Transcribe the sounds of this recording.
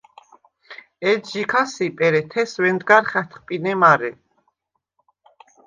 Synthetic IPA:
ɛd̪d͡ʒikʰasipʼɛɾɛt̪ʰɛswɛnd̪ɡaɾχɛt̪ʰχpʼinɛmaɾɛ

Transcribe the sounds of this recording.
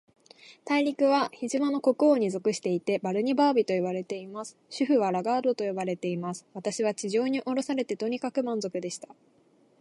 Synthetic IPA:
t̪aiɾʲikɯ̟βaçiʑimano̞ko̞kɯ̟oɲ̟izo̞kɯ̟ɕi̥t̪e̞it̪e̞baɾɯ̟ɲ̟ibaːbʲit̪o̞iβaɾe̞t̪e̞imasɨ̥ɕɨɸɯ̟βaɾaɡaːd̪o̞t̪o̞jo̞baɾe̞t̪e̞imasɨ̥βat̪aɕiβ̞at͡ɕiʑo̞ːɲ̟iʔo̞ɾo̞saɾe̞t̪e̞t̪o̞ɲ̟ikakɯ̟mãnzo̞kɯ̟d̪e̞ɕi̥t̪a

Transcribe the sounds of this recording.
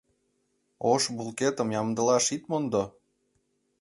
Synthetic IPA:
oʃbulket̪ə̆mjɑmd̪ə̆lɑʃit̪mond̪o

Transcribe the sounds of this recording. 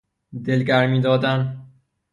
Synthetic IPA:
d̪elɡæɾmiːd̪ɒːd̪æn

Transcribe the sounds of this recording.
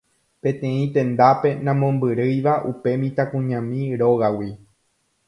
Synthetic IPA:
pẽ̞t̪ẽ̞ĩt̪ẽ̞nd̪ape̞nãmõ̞mbɨɾɨjʋaʔupe̞mĩt̪akũɲãmĩɾo̞ɣawi

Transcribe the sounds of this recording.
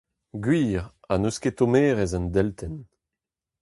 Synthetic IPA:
ɡɥiːʁ | anusket̪omeːʁɛzand̪ɛlt̪ʰɛn

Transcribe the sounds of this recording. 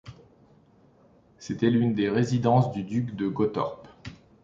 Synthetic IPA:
set̪ɛlynd̪eʁezid̪ɑ̃sd̪yd̪ykd̪əɡɔt̪ɔ̰ʁp

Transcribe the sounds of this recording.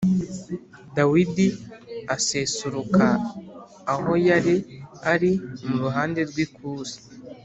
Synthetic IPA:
dawidiase̞ːsuɾukaː | ho̞jaɾiaɾimuɾuɦaːnde̞ɾɡwikuːzḁ

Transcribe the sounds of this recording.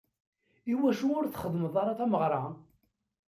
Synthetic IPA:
iwæʃuʊɾθχəðˤməðˤɑɾˤɑθæməʁɾˤɑ

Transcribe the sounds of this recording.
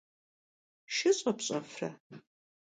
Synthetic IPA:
ʃɪɕʼɐpɕʼɐ̰frɐ̰

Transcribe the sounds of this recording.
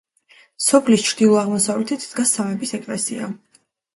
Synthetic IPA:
sɔpʰlist͡ʃʰɾd̪ilˠɔaʁmɔsavlɛt̪ʰit̪d̪ɡasamɛbisɛkʼlɛ̰sḭa̰

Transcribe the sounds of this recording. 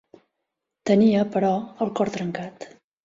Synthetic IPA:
t̪əniəpəɾɔəlˠkɔɾt̪ɾəŋkat̪

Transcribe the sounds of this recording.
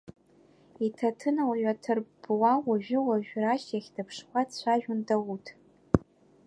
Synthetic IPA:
itʰɐtʰɨnawɥʷᶣatʰɨrb̥wawaʒʷᶣɪwaʒᶣʷraʃjaxʲdʰɨpʰʂχʷatʰɕʷaʒᶣʊndawutʰ

